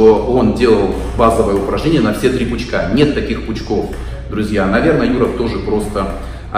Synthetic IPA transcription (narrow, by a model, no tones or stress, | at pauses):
oo̞ndʲe̞lˠəlˠ | bazəvəjəʊpɾɐʐnʲenʲɪjənɐfsʲe̞t̪ɾʲipʊt͡ɕkanʲe̞t̪k̪ːɐkʲixpʊt͡ɕko̞f | d̪ɾʊzʲjanɐvʲe̞rnəjuɾəft̪o̞ʐɨpɾo̞st̪ə | ɐ